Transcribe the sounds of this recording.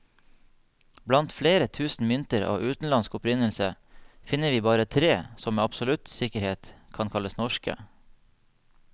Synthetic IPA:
blɑnt̪fleːɾət̪ʰʉːsn̩mʏnt̪əɾɑ̰ːʋʔʉːt̪n̩lɑnskʊpɾɪnəlsə | fɪnəʋiːbɑːɾət̪ʰɾeːsɔmeːɑpsɔlʉt̪sɪkəɾheːt̪kʰɑnkʰɑləsnɔʃkə̰

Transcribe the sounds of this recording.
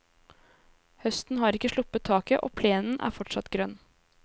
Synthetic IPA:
hœst̪n̩ɦɑːɾɪkːəʂɭʊpːət̪ʰːɑːkəʔoːpʰleːnn̩ʔæ̰ːɾfɔʈʂɑt̪ɡɾœnː

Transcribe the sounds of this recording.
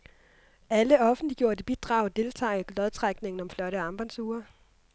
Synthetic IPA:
æləɒ̽fn̩dliɡ̥jo̝ɐd̥eb̥id̥ʁɑ̈ʊd̥e̝lt͡sʰɑ̰ːɡ̥lɒð̞ˠt͡sʰʁɑɡ̥ne̝ŋn̩ɒ̽mflɒ̽ɾəɑ̈mb̥ɐnsuːɐ

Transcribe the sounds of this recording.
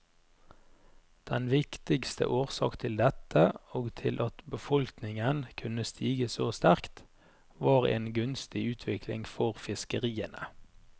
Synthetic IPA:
d̪̥ɛnʋɪkt̪ɪɡst̪ʰə̰ʔoːʁsɑ̰ːkt̪ʰɪld̪ɛt̪ʰəoːɡt̪ʰɪlʔɑt̪bəfɔlknɪŋənkʰʉnəst̪ʰiːɡəsoːst̪æʁkt̪ | ʋɑːʁḛːnɡʉnst̪ɪʉːt̪ʰʋɪkʰlɪ̰ŋfɔʁfɪskəʁiːənə

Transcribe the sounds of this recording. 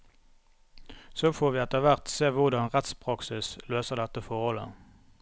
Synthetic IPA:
soːfoːʁʋiːɛt̪əʁʋæʁt̪seːʋʊʁd̪ɑnʁɛt̪spʰʁɑksɪsløːsəʁd̪ɛt̪əfɔʁhɔlə̰

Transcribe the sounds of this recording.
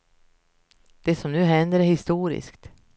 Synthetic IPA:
d̪̥ɛsɔmnʉ̟ːɦɛnd̪əɾæɾhɪst̪uːɾɪ̰skt̪

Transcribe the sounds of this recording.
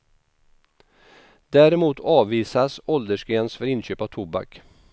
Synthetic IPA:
d̪æɾɛmuːt̪ʰɑːviːsasɔld̪əʂkɡɛːnsfœɾɪnɕøːpat̪ʰʊba̰k

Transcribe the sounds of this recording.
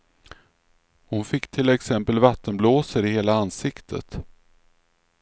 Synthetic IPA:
hʊnfɪkːt̪ʰɪlɛksɛmpəlvat̪ʰːənbloːsəɾɪheːlaansɪkt̪ʰə̰t̪

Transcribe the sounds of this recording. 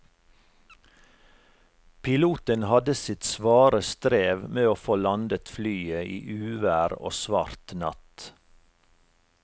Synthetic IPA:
pʰɪluːt̪ənhɑd̪əsɪt̪sʋɑːɾəst̪ɾeːʋmeːoːfoːlɑnd̪ət̪flyːəḭːʔʉːʋæːɾo̰ːsʋɑ̰ɾt̪nɑ̰t̪

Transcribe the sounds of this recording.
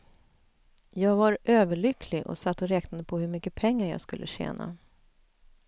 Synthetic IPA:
jɑːɡvaɾʔøːvəɭʏkʰlɪʔɔ̰sat̪ːɔɾɛːknad̪əpʰɔhɵɾmʏkːəpʰɛŋːaɾjɑ̰ːɡskɵlːəɕḛːna̰

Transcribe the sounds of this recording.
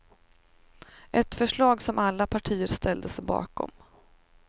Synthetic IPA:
ʔɛt̪fœʂɭɑːɡsɔmʔalːapʰaʈʰiːəɾst̪ɛld̪əsɛbɑ̰ːkɔ̰m

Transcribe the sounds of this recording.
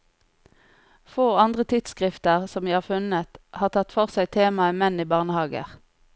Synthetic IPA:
foːɑnd̪ʁət̪ʰɪt̪skʁɪft̪əʁsɔmʋiːhɑːʁfʉnət̪ʔhɑːʁt̪ʰɑt̪fɔʁsæɪt̪ʰeːmɑəmɛniːbɑʁnəhɑːɡə̰ʁ

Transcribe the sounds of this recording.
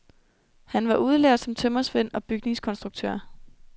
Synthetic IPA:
hænʋɑ̈ʔuð̞ˠleɐ̰d̥sɒ̽mt͡sʰømɐsʋen̰ɒ̽b̥yɡ̥ne̝ŋskʰɒ̽nsd̥ʁuɡ̥̚t͡sʰø̰ɐ̰

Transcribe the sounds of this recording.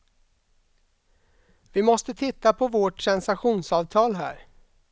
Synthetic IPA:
vɪmɔst̪ət̪ʰɪt̪ːapʰɔvoʈsɛnsaɧuːnsɑːvt̪ʰɑːlɦæ̰ːɾ

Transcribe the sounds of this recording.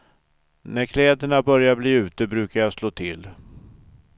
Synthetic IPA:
næɾkʰlɛːd̪əɳabœɾjabliːʉ̟ːt̪əbɾʉ̟ːkaɾjasloːt̪ʰɪl

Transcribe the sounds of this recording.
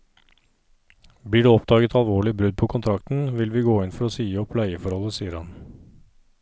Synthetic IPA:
bliːɖʉːɔpd̪ɑːɡət̪ʰɑlʋoːɭɪbɾʉd̪̚pʰɔːkʰʊnt̪ʰɾɑkt̪n̩ʋɪlʋiːɡoːɪnfɔɾoːsiːəɔpʰlæɪəfɔɾhɔlːəsiːəɾhɑn

